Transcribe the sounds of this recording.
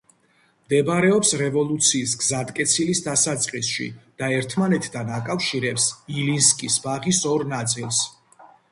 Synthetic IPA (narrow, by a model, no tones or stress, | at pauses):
md̪ɛbaɾɛɔpsɾɛvɔlˠut̪sʰiːsɡzat̪kʼɛt̪sʰilisd̪asat̪sʼqʼisʃḭd̪̥aɛɾt̪ʰmanɛt̪ʰd̪anakʼafʃiɾɛpsilinskʼisbaʁisɔɾnat̪sʼilˠs